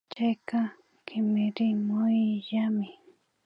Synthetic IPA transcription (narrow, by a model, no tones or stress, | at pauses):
t͡ʃajka | kʰɪmɪɾɪmʊjjamɪ